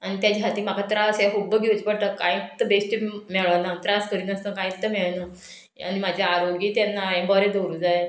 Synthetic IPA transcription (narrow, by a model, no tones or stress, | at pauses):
añit̪jad͡ʑɦat̪iːm̤akat̪ɾasjekubːəɡud͡zpəɽʈ̪əkːãĩt̪ːəbesʈimɛɭanat̪ɾaskəɾiːnəst̪əkãĩt̪t̪ːəmɛɭnə | a̰ñimad͡ʑʱjaaɾoɡiːt̪janːaẽbəɾed̪oɾud͡zaj